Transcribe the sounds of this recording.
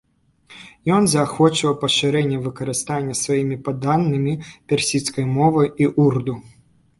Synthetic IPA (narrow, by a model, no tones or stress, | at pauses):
jɔnzɐːxɔt͡ʂɐwpɐʂɨɾɛnʲːɐvɨkɐɾɨst̪anʲːɐsvajimʲipad̪anːɨmʲipʲɛrsʲit̪skɐjmɔvɐjiʔurd̪u